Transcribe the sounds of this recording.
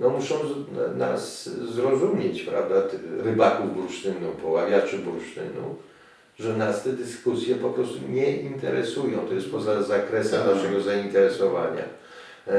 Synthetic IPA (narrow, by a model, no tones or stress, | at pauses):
nɔmuʂɔ̃w̃na̰szɾɔzumʲjɛt͡ɕpɾa̰vd̪at̪ɾɘbakuvbɾuʂt̪ɘnupɔwavʲjat͡ʂɨbɾuʂt̪ɘ̰nṵ | ʐɛnast̪ɛd̪ɘskusʲjɛpɔpɾɔst̪uɲɛʔint̪ɛɾɛsujɔ̃t̪ɔjɛst̪̚pɔzazakɾɛsɛmnaʂɛɡɔzaint̪ɛɾɛsɔva̰ɲa̰